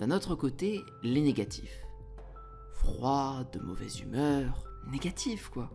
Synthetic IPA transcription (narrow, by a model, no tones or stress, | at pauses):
d̪̥ɛ̃not̪χəkot̪e | leneɡʲat̪ʰi̥f | fχwad̪əmɔ̰vɛ̰zy̰mœʁ | neɡʲat̪ʰifkwa